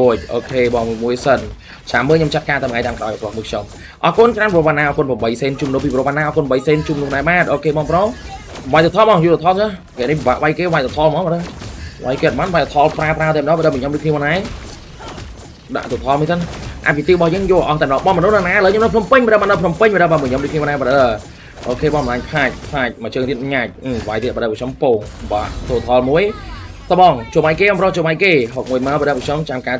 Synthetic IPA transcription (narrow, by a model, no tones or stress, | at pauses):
oəc̚ʔoːkʰeːɓɑːŋmuəjsən | t͡ɕaːməːlɲomt͡ɕat̪̚kaːt̪aməajt̪aːmkɗʔa̰ɔjakomɨːkʰom | ʔɑːkʊənkraːnpɔɾoɓaːnːaːʔɑːkoənpraəmɓəjseːnt͡ɕuːmənuhpiːpɾoɓaːnːaːʔɔːkoənɓəjseːnt͡ɕuːmnuhknaːɓaːt̪̚ʔoːkʰeːɓɑːŋpro | ʋajt̪ot̪ʰɔːɓɑːŋjut̪et̪ʰɔːt̪a | kɛəʔniʋaʔʋajkeːʋajt̪ot̪ʰɔːlmɔːəɗəʋa̰jkeːt̪̚ɓanʋajt̪at̪ʰɑːlpraəpraət̪aməɗɔːɓəːɗəməɲomɾɨəkʰniəmɔːnaɛ | ɗa̰ʔt̪ut̪ʰɑːlmuənt̪ənʔa̰t̪̚pit̪iːɓɑhjəːŋjŏəʔɑht̪aːmɔɗɔɓɑnmɔnuhnanaːʔələːɲomɗəwpʰnumpɨɲɓəɗəɓaːnɗəwpʰnumpɨɲməɗəɓamuɲomɗuːj̚kʰniəmnaɓəɗəə | ʔoːkʰeːɓɑnmɔlaːɲpʰaːc̚pʰaːc̚mat͡ɕəːŋt̪ʰiət̪̚ɲac̚ʔʋajt̪iəʔɓəɗəp̚ɔkʰompoːŋʋaːʔt̪ut̪ʰɑlmuəj | sɑɓɑŋt͡ɕoːɓajkeːɓaːmprot͡ɕoːɓajkeːɦok̚muəjmaɔɓəɗəpɔkʰɲomt͡ɕamkaː